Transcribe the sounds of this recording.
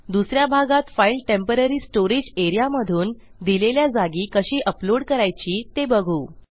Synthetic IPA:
d̪usɾjabʱaɡat̪failʈempəɾəɾiːsʈoɾid͡ʑeɾijaməd̪ʱuːn | d̪ileljad͡zaɡiːkəɕiːʔəploɽkəɾajt͡ɕiːt̪ebəɡʱuː

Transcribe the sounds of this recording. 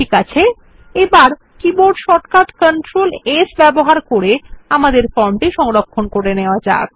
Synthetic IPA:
ikat͡ɕʰe | ebaɾ | kiboɖʃɔʈkaʈ̪kəɳʈɾolesbɛboɦaɾkoɾeamad̪eɾfɔɳʈiʃɔŋɾokʰːonkoɾeneoad͡ʑa̰

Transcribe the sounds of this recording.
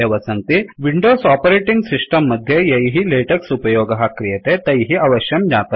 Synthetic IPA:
ɐʋɐsɐnt̪iʋiɳɖoːsɔpɐɾeːʈiŋɡsisʈɐmːɐd̪ʱjejɐjɦileːʈɐksupɐjoːɡɐɦɐkɾijɐt̪et̪ɐjɦiɐʋɐʃjɐmd͡ʒaːt̪ɐ

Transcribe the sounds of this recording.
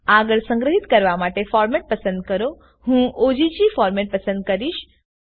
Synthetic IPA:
aɡəɭsə̃ŋɡɾəɦit̪kəɾʋamaʈefɔːɾmeʈ̚pəsə̃nd̪̚kəɾo | hũːʔod͡ʑid͡ʑifɔːɾmeʈ̚pəsə̃nd̪̚kəɾiʃ

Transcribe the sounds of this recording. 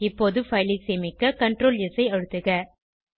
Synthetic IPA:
ɪpːoːðɯfɐɪlɪseːmɪkːɐkɐɳʈrɾoːlɪsɐɪɐɻɯt̪ːɯɣɐ

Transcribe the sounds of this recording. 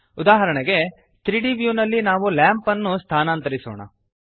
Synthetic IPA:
ud̪aːɦɐɾɐɳɛɡe̞ | t̪ɾiɖiʋjuːnɐlːinaːʋuljaːmpɐnːust̪ʰaːnaːnt̪ɐɾisɔ̰ːɳɐ̰

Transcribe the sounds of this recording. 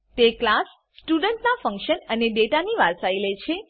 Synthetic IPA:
t̪eklasː | ʈuɖəɳʈnafəŋkʃənəneɖeʈaniʋaɾsailet͡ʃʰe

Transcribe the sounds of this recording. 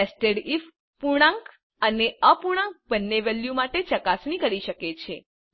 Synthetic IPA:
esʈeɽif | puɽ̃ãŋk | əneəpuɽ̃ãŋk̚bənːeʋeljumaʈet͡ʃəkasnikəɾiʃəket͡ʃʰe

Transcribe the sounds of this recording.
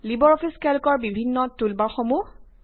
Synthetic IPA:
libɔɹɔpʰiskɛlkɔɹbibʱinːɔtulbaxɔmu

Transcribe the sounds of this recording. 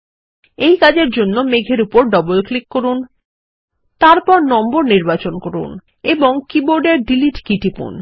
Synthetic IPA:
ejkad͡ʑeɾd͡ʑonːomeɡʱeɾupoɾɖɔbolklikːoɾun | t̪aɾpɔɾnɔmboɾniɾbat͡ɕonkoɾṵn | eboŋkiboɾɖeɾɖiliʈkiʈipṵn

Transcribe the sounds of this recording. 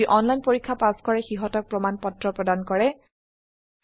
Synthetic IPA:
iʔɔnlajnpoɹikʰːapaskɔɹɛxiɦɔtɔk̚pɹɔmanpɔtɹɔpɹɔdankɔɹɛ

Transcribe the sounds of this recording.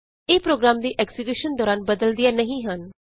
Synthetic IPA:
eːpɾoːɡɾaːmd̪iːʔɛksiɡiːʃənd̪ɔːɾaːnbəd̪əld̪ɪjaːnəɦĩːɦən

